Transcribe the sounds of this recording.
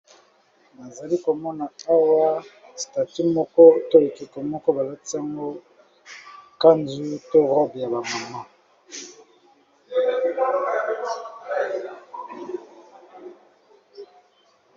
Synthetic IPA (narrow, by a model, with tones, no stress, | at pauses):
na˨za˨li˦ko˨mɔ˦na˨a˦wa˦ | sta˨ti˦mɔ˦kɔ˦to˦e˨ki˨ko˨mɔ˦kɔ˦ba˨la˦ti˦a˦ŋɡo˦ | ka˦nzu˦to˦ʁɔ˦bja˨ba˨ma˨ma˦